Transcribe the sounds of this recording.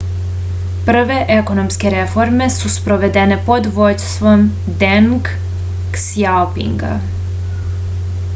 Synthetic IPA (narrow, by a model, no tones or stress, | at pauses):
pr̩ʋe̞ʔeko̞nomske̞ɾefo̞ɾme̞suspɾoʋe̞d̪ene̞po̞d̪ʋod̪st̪ʋom | d̪enɡ | sjawpḭŋɡa̰